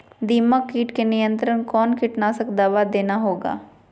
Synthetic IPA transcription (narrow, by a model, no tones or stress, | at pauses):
d̪iːmakiːʈkenɪjə̃nt̪ɾənkɔːnkɪʈnasəkd̪aːʋad̪eːnaɦoːɡa̰ː